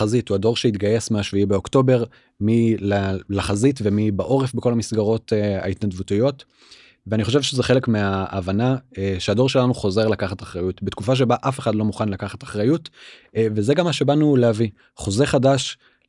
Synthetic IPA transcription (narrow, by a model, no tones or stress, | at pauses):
azituado̞ʁʃeitɡaje̞smeaʃviibeo̞kto̞be̞ʁ | milalaχazitvemibaʔo̞ʁefbeko̞lamisɡaʁo̞ta̰itnad̪vutijo̞t | veaniχo̞ʃ̬evʃezeχele̞kmeaʔːvanaʃeado̞ʃe̞lanuχo̞ze̞ʁlakaχataχʁajutbetkufaʃ̬e̞baʔafe̞χadlo̞muχanlakaχataχʁajut | vezeɡamːaʃe̞banuleavi | χo̞zeχadaʃ